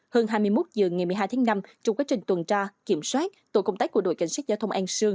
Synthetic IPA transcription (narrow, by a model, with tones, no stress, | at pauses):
həː˧nɦaː˧jmɨ˧əjmo˦˥t̚zɨ˨˩əŋa˨˩jmɨ˨˩jɦaː˧jt̪ʰaː˨˦ŋna˧mt͡ɕɔ˧ŋ͡mkwaː˨˦˥t͡ɕï˨˩ŋ̟t̪wə˨˩nt͡ɕaː˧ki˧˩əmswaː˦˥t̚t̪o̰˧˨˩kə˧wŋ͡mt̪aː˨˥jku˧˩əɗo̰˧˩jka˧˩ŋ̟sa˦˥zaː˧t̪ʰə˧wʔa˧nsɨ˧əŋ